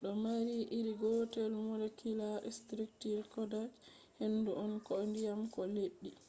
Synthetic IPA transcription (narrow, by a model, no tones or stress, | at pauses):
ɗɔmaɾiʔiɾiɡɔtɛlmɔlɛkilaʔɛstɾiktiɾkɔdad͡ʒ | henduʔɔnkɔndijamkɔleɗːi